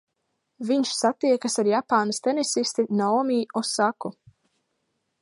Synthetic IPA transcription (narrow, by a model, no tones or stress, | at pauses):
viɲʃsat̪iɛkasaɾjapaːnast̪enisist̪inɔɔmiːɔsaku